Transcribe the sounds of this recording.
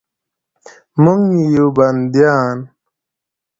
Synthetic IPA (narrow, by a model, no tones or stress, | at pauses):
muŋijuband̪jaːn